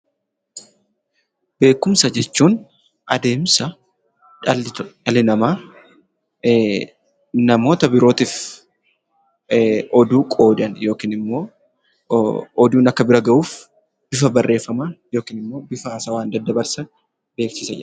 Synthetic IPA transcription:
b̥e̞ːkːʊmsɐd͡ʒɛt͡ʃːuːn | ʔɐd̪e̞ːmsɐ | ɐlɪnɐmaː | nɐmo̞ːt̪ɐbɪɾo̞ːt̪iːf | ʔɔd̪uːkʼo̞ːd̪ɐnjo̞ːkiːnɪmːo̞ː | ɔd̪uːnɐkːɐbɪɾɐɡɐʔuːf | b̥ɪfɐbɐrːʔe̞ːfːɐmajo̞ːkiːnɪmːo̞ːbɪfɐːsaːwaːnd̪ɐd̪ːɐbɐɾsɐ | be̞ːksɪsɐd͡ʒɪ

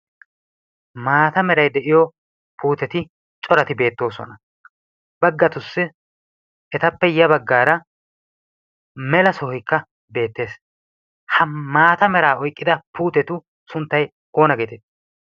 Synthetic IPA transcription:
maːt̪ɐmɛɾɐjd̪ɛʔɪjɔ | puːt̪ɛt̪ɪ | t͡ʃʼɔɾɐt̪ɪbe̞ːt̪ːo̞ːsɔ̰nɐ | bɐɡːɐt̪ʊsːɪ | ɛt̪ɐpːɛjɐbɐɡːaːɾɐ | mɛlɐsɔhɔjkːɐ | be̞ːt̪ːe̞ːs | hɐmaːt̪ɐmɛɾaːɔjkʼːɪd̪ɐpuːt̪ɛt̪ʊ | sʊnt̪ːɐj | o̞ːnɐɡeːt̪ɛt̪ː

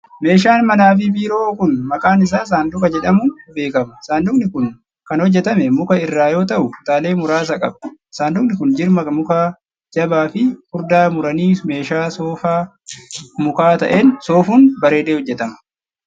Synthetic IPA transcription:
me̞ːʃ̬aːnmɐnaːfɪbiːɾo̞ːkʊnmɐkʼaːnɪs̬aːs̬aːnd̪ʊkɐd͡ʒɛᶑɐmʊnbe̞ːkɐmɐsaːnd̪ʊknɪkʊn | kɐnhɔd͡ʒːɛt̪ɐmɛmʊkɐɪrːaːjo̞ːt̪ɐʔʊʊt̪aːle̞ːmʊɾaːs̬ɐkʼɐbsaːnd̪ʊkʼnɪkʊnd͡ʒɪɾmɐmʊkaː | d͡ʒɐbaːfɪkʊɾd̪aːmʊɾɐniːme̞ːʃaːsoːfaː | mʊkaːt̪ɐ̰ʔeːnso̞ːfuːnbɐɾe̞ːd̪eːhɔd͡ʒːɛt̪ɐmɐ̥

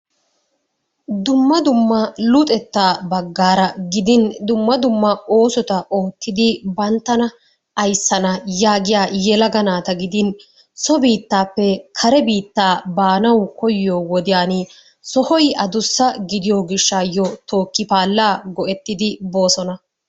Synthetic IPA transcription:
d̪ʊmːɐd̪ʊmːɐlʊt̪ʼɛt̪ːaːbɐɡːaːɾɐɡɪd̪ɪnd̪ʊmːɐd̪ʊmːɐo̞ːsɔt̪ɐʔo̞ːt̪ːɪd̪ɪbɐnt̪ːɐnɐ | ɐjsːɐnɐjaːɡɪjaːjɛlɐɡɐnaːt̪ɐɡɪd̪ɪn | sɔbiːt̪ːaːpːɛkʰɐɾɛbiːt̪ːaːbaːnɐwkɔjɪjoːwɔd̪ɪjaːnɪ | sɔhɔjɐd̪ʊsːɐɡɪd̪ɪjoːɡɪʃːaːjɔt̪o̞ːkːɪpaːlːaːɡɔʔɛt̪ːɪd̪ɪbo̞ːsɔnɐ

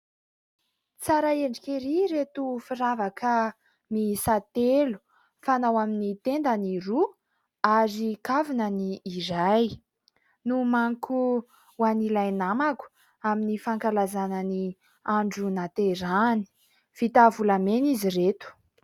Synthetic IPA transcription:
t͡saɾaeɳɖ͡ʐikeɾiɾet̪ufiɾavakʰə | misat̪elu̥ | fanawaminit̪end̪aniɾu | azikavinəniːɾaj | numaŋku | wanilajnamaku̥ | aminifaŋkalazanani | aɳɖ͡ʐunat̪eɾani̥ | v̥it̪avulameniziret̪u̥

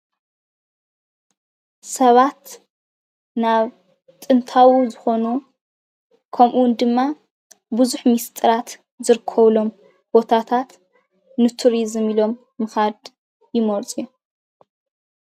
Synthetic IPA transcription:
sɐβat̪ | naβ | t̪ʼɨnt̪ʰawuzɨxo̞nu | kʰɐmʔuwnd̪ɨmːa | buzuħmist̪ʼɨɾat̪ | zɨɾɨkʰːɐβlo̞m | b̥o̞t̪ʰat̪ʰat̪ | nɨt̪ʰuɾizɨmilo̞mːɨxad̪ | jɪmoɾt͡sʼiju

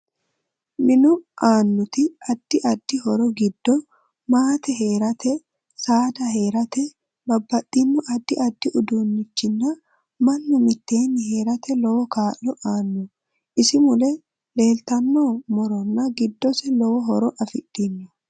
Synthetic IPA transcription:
nɪnɔaːnːʊt̪ɪɐd̪̥ːɪʔɐd̪̥ːɪhɔɾɔɡɪd̪ːɔ | maːt̪ɛɦe̞ːɾɐt̪ɛ | saːd̪ɐɦe̞ːɾɐt̪ɛ | bɐbːɐt̪ʼːɪnːɔʔɐd̪ːɪʔɐd̪ːɪʔʊd̪uːnːɪt͡ʃːɪnːɐ | mɐnːʊmɪt̪ːe̞ːnːɪɦe̞ːɾɐt̪ɛlɔwɔkaːʔɔʔaːnːʊ | ʔɪsɪmʊlɛ | le̞ːlt̪ɐnːoːmɔɾɔnːɐɡɪd̪ːɔsɛlɔwɔɦɔɾɔʔɐfɪᶑːɪnːɔ

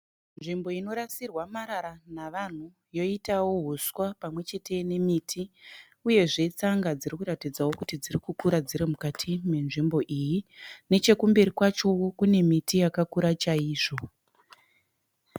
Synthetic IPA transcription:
nʐimbo̞ino̞ɾasirwamaɾaɾanaʋan̤u | jo̞itawo̞ɦuswapamwe̞t͡ʃe̞tʰe̞ne̞mitʰi | uje̞ʐe̞t͡saŋɡad͡zirikuratid͡zawo̞kutid͡zirikukuɾad͡ziɾimukatʰimwe̞nʐimbo̞ʔijine̞t͡ʃe̞kumbeɾikwat͡ʃo̞kune̞mitʰijakakuɾat͡ʃaiːʐo̞

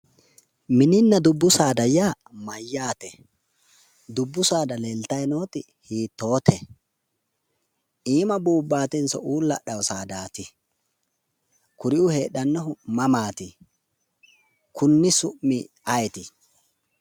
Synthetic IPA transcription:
mɪnɪnːɐd̪ʊbːʊsaːd̪ɐjaː | mɐjːaːt̪ɛ | d̪ʊbːʊsaːd̪ɐleːlt̪ɐjnoːt̪ɪ | hiːt̪ːo̞ːt̪ɛ | ʔiːmɐbuːbːaːt̪ɪnsɔ̰ʔuːlːɐɗɐwsaːd̪aːt̪ɪ | kʊɾɪʊheːɗɐnːɔɦʊmɐmaːt̪ɪ | kʊnːɪsʊʔmmːɪ | ɐjɛt̪ɪ

